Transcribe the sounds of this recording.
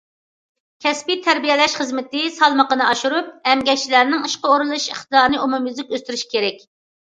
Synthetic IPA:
kʲʰɛspit̪ʰæɾbijɛlɛʃχəzmɪt̪ɪsɑlˠməqənɨɑʃuɾup̚ɛmɡʲɛkt͡ʃilæɾnɪŋiʃqəoɾɨlˠɨʃeχt̪ɨd̪ɑɾnɨʔumumjyzɪk̚ʲøst̪yɾyʃkʲʰeɾɛk̚ʲ

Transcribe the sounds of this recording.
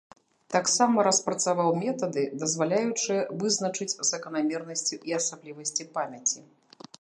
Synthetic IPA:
t̪aksamɐɾɐspɾɐt̪savawmʲɛt̪ɐd̪ɨd̪ɐzvalʲajut͡ʂɨjɐvɨznɐt͡ʂɨd͡zʲzɐkɐnamʲɛrnɐsʲt͡sʲuʔiɐsablʲivɐsʲt͡sʲipamʲɐt͡sʲi

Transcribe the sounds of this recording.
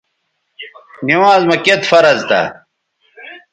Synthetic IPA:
ɡiwãːzmɐket̪fɐɾɐzt̪ɐ̰

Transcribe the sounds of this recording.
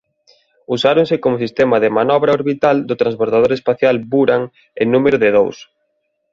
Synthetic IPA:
usaɾoŋsɪkomʊsist̪ɛmɐðɪmanɔβ̞ɾɐoɾβit̪ald̪ʊt̪ɾãnsβoɾt̪aðoɾespaθjalbuɾaŋ | enũmeɾʊðɪðows

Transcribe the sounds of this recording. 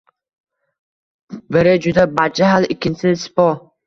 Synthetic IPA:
bɪɾɪd͡ʒud̪abad͡ʒaɦalɪkʲʰːɪnsɪspɔ

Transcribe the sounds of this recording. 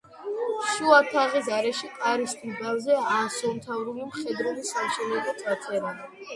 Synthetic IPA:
ʃuat̪ʰaʁis̬aɾɛʃikʼaɾist̪ʼibavzɛasɔnt̪ʰavɾulimχɛd̪ɾɛlisamʃɛlɛbɔt̪ʰat̪sʰʼɛɾa

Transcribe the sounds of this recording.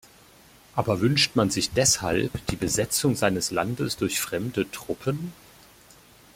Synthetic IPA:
ʔaːbɐvʏnʃtmanzɪçd̥ɛsha̰lpd̥iːbəzɛt͡sʊŋzaɪnəsla̰ndəsd̥ʊɐçfʁ̥ɛmdətʁ̥ʊpʰən

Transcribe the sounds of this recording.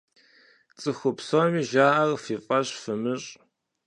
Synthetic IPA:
t͡sʼɨxʷʊpsomiːʒaːʔɐrfiːfʼɐɕfɨmɨɕʼ

